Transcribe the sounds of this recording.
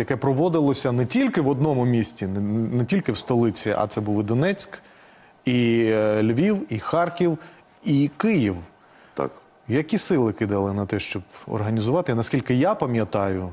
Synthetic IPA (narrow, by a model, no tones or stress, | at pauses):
jɐkɛpɾɔʋɔd̪ɪlˠɔsʲɐnɛtʲilʲkɪʋɔd̪nɔmʊmʲisʲtʲinnɛtʲilʲkɪwst̪ɔlˠɪt͡sʲiʔɐ̰t̪sɛbuʋɪd̪ɔnɛt͡sʲk | ilʲʋʲiwixɑrkʲiw | ikɪjiw | t̪a̰k | jɐkʲisɪlˠɪkɪd̪ɑlˠɪnɐt̪ɛʃt͡ʃɔbɔ̰rɦɐnʲizʊʋɑt̪ɪnɐskʲilʲkɪjapɐmʲjɐt̪ɑjʊ